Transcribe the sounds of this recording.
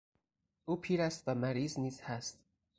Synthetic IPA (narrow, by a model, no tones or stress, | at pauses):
ʔuːpʰiːɾæst̪væmæɾiːzniːz̥hæst̪